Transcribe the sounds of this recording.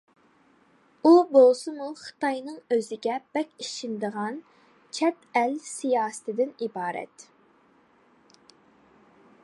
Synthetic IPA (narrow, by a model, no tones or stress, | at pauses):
ubolˠsʊmuχə̥t̪ɑjnɨŋøzɪɡʲɛb̥ɛkʲiʃind̪əʁɑn | t͡ʃʰɛt̪ɛlsijɑːsɨ̥t̪ʰɨd̪ɪnibɑːɾɛ̰t̪